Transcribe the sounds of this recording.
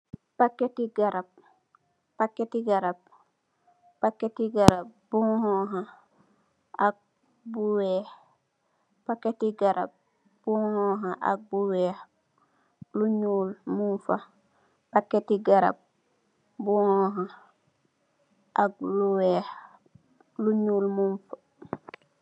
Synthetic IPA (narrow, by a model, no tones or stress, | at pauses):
pakːetiɡaɾab̚ | pakːetiɡaɾab̚ | pakːetiɡaɾab̚buhɔ̃ɦã | ak̚ | buweːh | pakːetiɡaɾa̰b̚ | b̥uhɔ̃ːɦãʔa̰k̚buwɛːh | luɲuːlmunfa | pakːetiɡaɾa̰b̚ | buhɔɦã | ʔak̚luweːh | luɲuːlmunfa